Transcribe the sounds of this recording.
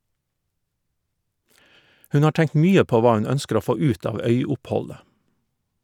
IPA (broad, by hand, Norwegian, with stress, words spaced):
ˈhʉn ˈɑː ˈʈæŋt ˈmyːə ˈpoː ˈʋɑː ˈʉn ˈœnskəɾ ˈoː ˈfoː ˈʉːt ˈɑːʋ ˈœʏʊpˌhɔlə